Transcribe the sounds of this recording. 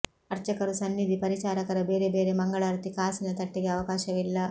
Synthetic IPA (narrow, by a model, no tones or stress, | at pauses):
ɐɾt͡ʃɐkɐɾusɐnːid̪ipɐɾit͡ʃaːɾɐkɐɾɐbeːɾebeːɾemɐŋɡɐɭaːɾt̪ikaːsinɐt̪ɐʈːiɡeɐʋɐkaːʃɐʋilːɐ